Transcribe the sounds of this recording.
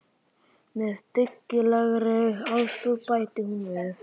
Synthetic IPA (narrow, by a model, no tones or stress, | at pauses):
mɛðt̪ɪkːɪlaɣɾɛɣawst̪opajt̪ɪhunvɛð